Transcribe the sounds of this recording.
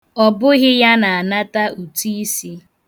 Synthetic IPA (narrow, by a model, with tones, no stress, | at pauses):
ɔ˨bʊ˦ɣɪ˦ja˦na˨a˨na˦ta˦u˨ti˦i˦si˦